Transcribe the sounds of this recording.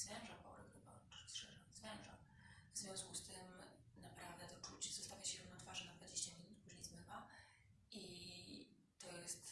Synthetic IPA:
z̥vʲɛ̃nʐapɔɾɨxxɨba̰ɾɔsʂɛʐɛnzvʲɛnʐa | vzvʲjɔ̃w̃skust̪ɘmnapɾavd̪ɛd̪ɔt͡ʂut͡ɕz̥ɔst̪avʲjaɕɛɾuvnɔt̪faʐɛnad̪vad͡ʑeɕt͡ɕamʲinut̪̚pɾʲizmɛva | ʔi | t̪ɔjɛst̪

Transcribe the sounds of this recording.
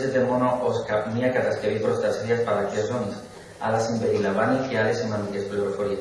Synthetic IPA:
sezd̪emonoʔoskamiakat̪askeβipɾost̪aseɾjaspaɾakeasonis | a̰lasimbeɾilaβanifialesimãnd̪ikesploɾofoɾa

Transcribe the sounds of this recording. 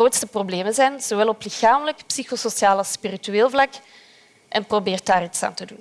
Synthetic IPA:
oːtstəprobleːmənzɛjnz̥owɛlˠɔplɪxaːmələkpsixososjaːlɑspirityeːlˠvlɑk | ʔɛnprobeːrt̚daːritsa̰ːntədun

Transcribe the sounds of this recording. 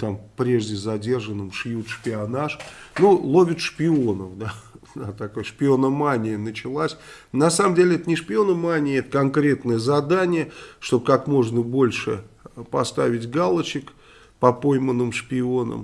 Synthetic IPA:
t̪ampɾʲe̞ʐdʲɪzɐdʲe̞rʐənːɨmʂjut̪ʂpʲɪɐnaʂnulˠovʲɪt̪ʂpʲɪonəfd̪aat̪ɐkojəʂpʲɪo̞nəmanʲɪjənət͡ɕɪlˠasʲ | nɐsaməmdʲelʲɪɛt̪ənʲɪʂpʲɪo̞nəmanʲɪjɛt̪əkɐnkɾʲe̞t̪nəjəzɐd̪anʲɪjəʂt̪o̞bkakmo̞ʐnəbo̞lʲʂɨ̰pɐst̪avʲɪtʲɡalˠət͡ɕɪk | pɐpojmənːɨmʂpʲɪo̞nə̰m

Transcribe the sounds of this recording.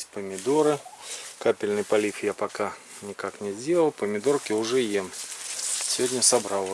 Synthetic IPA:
pəmʲɪd̪oɾɨkapʲɪlʲnɨjpɐlʲifjapɐka | nʲɪkaknʲɪzʲdʲe̞lˠəlˠpəmʲɪd̪o̞rkʲɪʊʐɛjem | sʲɪvʲodʲnʲəsɐbɾalˠ

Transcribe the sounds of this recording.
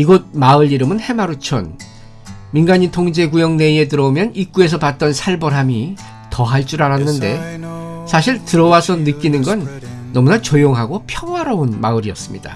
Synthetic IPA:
iɡʌd̚maɯɾiɾɯmɯnhe̞maɾut͡ɕʰʌn | minɡaɲintʰoŋd͡ʑe̞kujʌŋne̞ie̞t̬ɯɾʌomjʌnik͈ue̞s̬ʰʌpat̚t͈ʌnsʰaɭbʌɾɦami | tʌɦaɭt͡ɕ͈uɾaɾanːɯnde̞ | sʰaɕʰiɭtɯɾʌwasʰʌnɯk͈inɯnɡʌnː | ʌmunat͡ɕojoŋɦaɡopʰjʌŋwaɾʌonmaɯɾiʌs͈ɯmɲida̰

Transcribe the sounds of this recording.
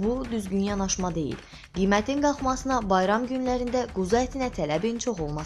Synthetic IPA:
bud̪yzɟynjɑnɑʃmɑd̪e̞̰jḭl | ɡ̥ijmæt̪ʰinɡɑχmɑsɯnɑbɑjɾɑmɟynlæɾind̪æɡuzɑet̪ʰinæt̪ʰælæbint͡ʃʰo̞χo̞lˠmɑs

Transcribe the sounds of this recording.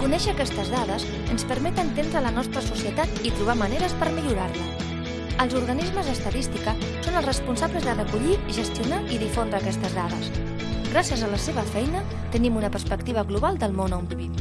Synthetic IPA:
kunɛʃəːkɛst̪əzðaðəs | ənspəɾmɛt̪ənt̪end̪ɾələnɔst̪ɾəsusiət̪at̪it̪ɾuβ̞aməneɾəspəɾmiʎuɾarlə | əlˠzuɾɣənizməzðəst̪əðist̪ikə | sonəlˠzrəspunsaβləzðərəkuʎiʒəst̪iunaʔiðifond̪ɾəːkɛst̪əzðaðə̰s | ɣɾasjəzələseβəfɛjnə | t̪ənimunəpərspəkt̪iβ̞əɣluβalˠd̪əlˠmonɔmpi

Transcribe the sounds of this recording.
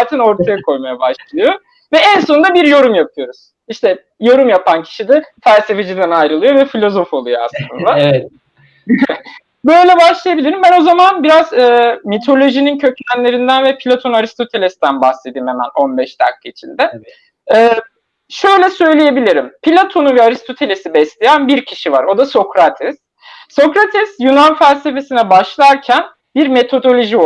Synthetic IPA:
zaːt̪ʰɛno̞ɾt̪ʰajakʰo̞jmajabaʃlˠɯjo | vɛɛnso̞nd̪abiɾjo̞ɾumjap̚ʰɯjo̞ɾuz̥ | iʃt̪ʰɛ | jo̞ɾumjapʰancʰi̥ʃid̪iɾfælʲse̞fed͡ʒid̪ænajɾɯlˠɯjo̞vɛfilʲo̞zo̞fo̞lˠujoa̰slˠɯɯ̰nd̪a | bø̞jlʲɛbaʃlˠajabilʲiɾimbæno̞zamanbiɾazɛːmit̪ʰo̞lʲo̞ʒinincʰø̞clænlʲe̞ɾind̪ænvɛpʰilʲat̪ʰonnaɾist̪ʰo̞t̪ʰe̞lʲesd̪ænbahsed̪iːmemæ̰no̞nbɛʃd̪a̰kʰːɯit͡ʃʰind̪ɛ | ɛː | ʃø̞jlʲɛsø̞jlʲeje̞bilʲiɾimpʰilʲat̪ʰo̞nuvɛaɾist̪ʰo̞t̪ʰe̞lʲe̞sibɛslʲejænbiɾcʰiʃivaɾo̞d̪aso̞kɾat̪ʰɛsː | o̞kɾat̪ʰɛsjunanfælʲse̞fe̞sinɛbaʃlˠaɾcʰæn | biɾme̞t̪ʰo̞d̪o̞lʲo̞ʒi

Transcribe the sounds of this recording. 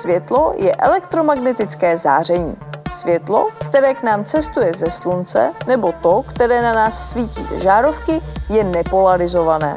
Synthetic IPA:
svjɛt̪lo̞jɛʔɛ̰lɛkt̪ɾomaɡnɛt̪ɪt͡skɛːza̰ːr̝ɛɲḭːsvjɛt̪lo̞̰kt̪ɛɾɛːknaːmt͡sɛst̪ujɛzɛslunt͡sɛ̰nɛbo̞t̪o̞kt̪ɛɾɛːnanaːsːviːcḭːzɛ̰ʒaːɾo̞fkɪjɛnɛpo̞laɾɪzo̞vanɛ̰ː

